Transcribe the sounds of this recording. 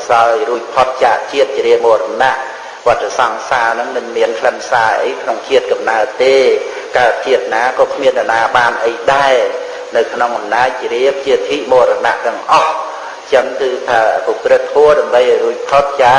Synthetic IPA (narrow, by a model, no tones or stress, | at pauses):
saɔjruəc̚pʰot̪̚t͡ɕaːʔt͡ɕiət̪̚t͡ɕɾiəmoːɾanaʔ | ʋŏət̪ːasɑŋsaːnɨŋmɨŋmiənkʰləmsaːʔə̰jkʰnoŋt͡ɕʰiət̪̚kɑmnaət̪eː | kaət̪̚t͡ɕiət̪̚naːkɑːkʰmiəndanaːɓaːnʔəjɗaɛ | nɨwkʰnoŋʔɑmnaːc̚t͡ɕriəp̚t͡ɕiət̪ʰiːʔmoːɾana̰ʔt̪ɛ̆əŋʔɑh | t͡ɕəŋkɨːt̪ʰaːpukrɨt̪ːʰʋoəɗaəmɓəjʔɑjruəc̚pʰot̪̚t͡ɕaː